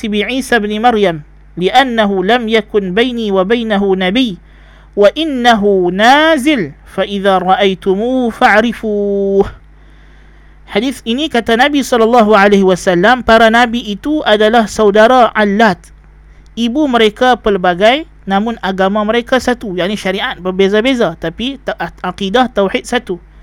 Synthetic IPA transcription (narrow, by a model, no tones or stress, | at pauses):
ibiʕiːsabnmaɾjam | lɪʔanːaɦulamjakʊnbajniːwabajnaɦunabiː | waʔɪnːaɦunaːzɪlfaʔɪðaːɾˤɑʔajt̪ʊmuːfaʕɾɪfuːh | ħadiθinikat̪anabisɔlːɑlːɑɦuʕaleɦiwasalːampaɾanabiʔit̪uʔadalahsawdaɾaʔalːat̪̚ | ibuməɾekapərbaɡaj | namʊnaɡamaməɾekasat̪ujaʕniʃaɾiʔat̪̚bəbezabezat̪apiaqidat̪awħit̪̚sat̪u